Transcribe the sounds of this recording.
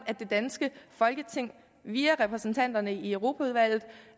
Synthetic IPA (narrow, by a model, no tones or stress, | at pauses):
æd̥d̥e̝d̥ænsɡ̥əfɒ̽lɡ̥ət͡sʰe̝ŋ̰ | ʋiːɐʁɛpʰʁɛsn̩t͡sʰæn̰d̥ɐnəiəʊʁo̝ːpʰæuðˠʋæl̰ð̞̩ˠ